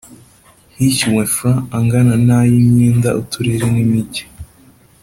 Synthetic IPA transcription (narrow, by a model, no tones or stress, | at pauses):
hiciwefɾaːŋɡananajimɲiːndaʔutʰuɾiɾinimiɟi̥